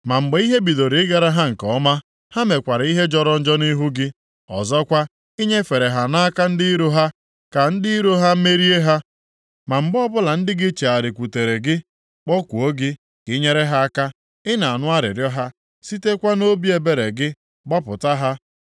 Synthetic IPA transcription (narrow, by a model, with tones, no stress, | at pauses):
ma˨ŋ͡m̩˨ɡ͡be˨˦i˦ɦe˦bi˨do˨ɾi˨ɪ˦ɡa˨ɾa˦ɦa˦ŋ̩˨kɔ˨˦ma˦ | ha˦me˨kʷa˨ɾi˦ɦe˦d͡ʒɔ˦ɾɔ˦n̩˦d͡ʒɔ˦ni˦ɦu˦ɡɪ˦ | ɔ̰˨zɔ˦kʷa˦ | i˦ɲe˦fe˨ɾe˨ɦa˨na˦a˦ka˦n̩˦dɪ˦ɾo˦ɦa˦ | ka˨n̩˦dɪ˦i˦ɾo˦ɦa˦me˦ɾi˦e˦ɦa˦ | ma˨m̩˨ɡ͡bɔ˦bʊ˦la˨n̩˦dɪ˦ɡɪ˦t͡ʃe˨a˨ɾɪ˨kʷu˨te˨ɾe˨ɡɪ˦ | k͡pɔ˦kʷu˨o˦ɡɪ˦ | kɪ˦ɲe˦ɾe˦ɦa˦a˦ka˦ | ɪ˦na˨a˨nʊ˦a˦ɾɪ̰˨ɾjɔ˦ɦa˦ | si˦te˦kʷa˦no˦bi˦e˨be˦ɾe˨ɡɪ˦ | ɡ͡bɔ˦pʊ˨ta˦ɦa˦